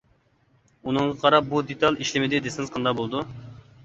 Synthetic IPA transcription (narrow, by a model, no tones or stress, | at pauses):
unɨŋʁɑqʰɑɾɑp̚bud̪et̪ʰɑlˠiʃlɪmɪd̪ɪd̪esɪŋɨzqʰɑnd̪ɑbolˠd̪u